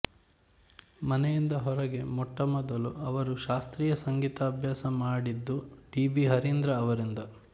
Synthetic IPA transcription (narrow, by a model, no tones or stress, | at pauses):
mɐnejind̪ɐɦɔɾɐɡe̞mɔʈːɐmɔd̪ɐluɐʋɐɾuʃaːst̪ɾiːjɐsɐŋɡiːt̪ɐːbʱjaːsɐmaːɽid̪ːuɖiːbiɦɐɾind̪ɾɐːʋɐɾind̪ɐ